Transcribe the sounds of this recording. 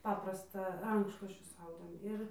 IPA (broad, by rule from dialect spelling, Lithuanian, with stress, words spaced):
ˈpɑːprɐstɑː ˈrɐŋkʃlˠuɔsʲt͡ʃʲʊs ˈɐʊdʲeːm ˈɪr